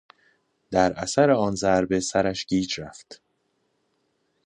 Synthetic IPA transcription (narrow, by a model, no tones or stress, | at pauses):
d̪̥æɾʔæsæɾeɒːnzæɾbe̞sæɾæʃɟ̥iːd͡ʒɾæft̪